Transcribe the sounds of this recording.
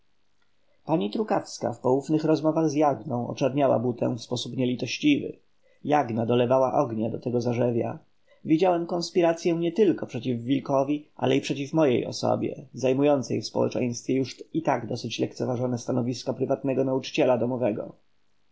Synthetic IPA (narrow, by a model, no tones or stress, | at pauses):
paɲit̪ɾukafska̰fpɔwufnɘxɾɔzmɔvaɣzjaɡnɔ̃w̃ɔ̰t͡ʂɛɾɲawa̰but̪ɛ̰w̃fspɔsupɲɛlʲit̪ɔɕt͡ɕivɘ̰ | jaɡnad̪ɔlɛvawaʔɔɡɲad̪ɔt̪ɛɡɔzaʐɛvʲa̰ | vʲid͡ʑawɛmkɔ̃nspʲiɾat̪sʲjɛ̃ɲɛt̪ɘlkɔpʂɛt͡ɕivːʲilkɔvʲiʔa̰lɛipʂɛt͡ɕifmɔjḛjɔ̰sɔ̰bʲjɛ̰zajmujɔnt̪sɛjfspɔ̰wɛ̰t͡ʂɛ̰j̃st̪fʲjɛjuʂit̪aɡd̪ɔsɘt͡ɕlɛk̚t̪sɛvaʐɔnɛst̪anɔvʲiskɔpɾɘvat̪̚nɛɡɔnaut͡ʂɘ̥t͡ɕɛlad̪ɔmɔvɛɡɔ̰